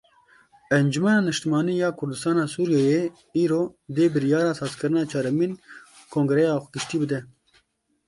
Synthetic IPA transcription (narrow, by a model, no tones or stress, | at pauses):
ɛnd͡ʒumɛnɑːnɨʃt̪ɨmɑːniːjɑːkʰʊɾd̪ɨst̪ɑːnɑːsuːɾijɛje | iːɾoːd̪eːbɨɾijɑːɾɑːsɑːzkɨɾɨnɑːt͡ʃʰɑːɾɛmin | kʰoːŋɡɾɛjɑːɡɨʃt̪iːbɨd̪ɛ